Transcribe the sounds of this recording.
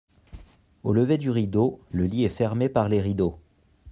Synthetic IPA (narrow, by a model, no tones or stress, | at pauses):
oləved̪yʁid̪oləliɛfɛʁmepaʁleʁid̪o